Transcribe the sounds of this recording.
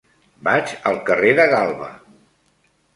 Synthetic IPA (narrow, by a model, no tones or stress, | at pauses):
bad͡ʒəlˠkəreðəɣalˠβə̰